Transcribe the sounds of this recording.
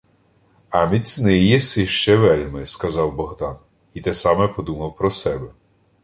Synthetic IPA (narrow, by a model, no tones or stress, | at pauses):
ɐmʲisʲnɪjɛsɪʃt͡ʃɛʋɛlʲmɪskɐzɑwbɔɦd̪ɑn | it̪ɛsɑmɛpɔd̪umɐwpɾɔsɛbɛ